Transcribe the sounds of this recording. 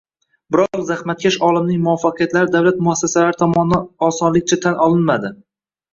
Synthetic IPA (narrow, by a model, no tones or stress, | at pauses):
bɪɾɒʁzahmat̪̚kʲʰaʃɒlˠɪmnɪŋmʊɒfːaqʰijat̪laɾɪd̪awlat̪̚mʊasːasalaɾɪt̪ʰɒmɒnaɒsɒnlɪk̚ʲt͡ʃʰat̪ʰanɒlˠɪnmad̪ɪ